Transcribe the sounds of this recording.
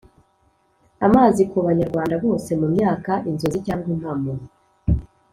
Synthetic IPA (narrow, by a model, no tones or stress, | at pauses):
amaːzikuβaɲaɾɡwaːndaβo̞ːse̞mumɲaːkaʔinzo̞zicaːŋɡwin̥hamuɾu